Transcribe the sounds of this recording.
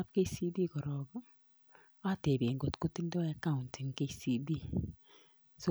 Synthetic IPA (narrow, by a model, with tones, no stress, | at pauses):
a˦p̚ke˦si˦bi˦kɔ˨ɾɔ˨ɡɔ˦ | a˦te˨be˨ŋɡo˨tku˦ti˦ndɔ˦a˦ka˦ʊ˨ntɪ˨ŋke˦si˦bi˦ | so˦